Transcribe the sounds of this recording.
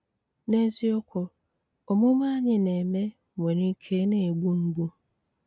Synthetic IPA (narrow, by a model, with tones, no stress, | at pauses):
ne˦zi˦ɔ˦kʰɔ˨ | ɔ˨mʊ̃˦mã˦ɲɪ̃˨nẽ˨me˦˨ | mɛ̃˨nʊ̃˦kʰe˦nɪ̃˦e˨ɡ͡bu˦m̩˦ɡ͡bu˦